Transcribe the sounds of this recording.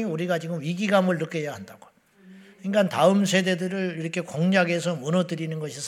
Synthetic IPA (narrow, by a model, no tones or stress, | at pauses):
iuɾiɡat͡ɕiɡɯmɥiɡiɡamɯɭnɯk͈ejaɦandaɡ̥o̥ | iŋɡantaɯmsʰe̞de̞dɯɾɯɭiɾʌkʰe̞koŋɲaɡesʰʌmunʌdɯɾinɯnɡʌɕʰis